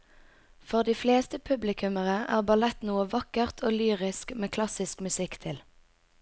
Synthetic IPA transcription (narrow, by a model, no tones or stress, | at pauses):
fɔʁd̪iːfleːst̪əpʰʉblɪkʰʉməʁəʔæ̰ːʁbɑlɛt̪nuːəʋɑkəʁt̪ʰoːlyːʁɪskmeːkʰlɑsɪskmʉsɪkt̪ʰɪl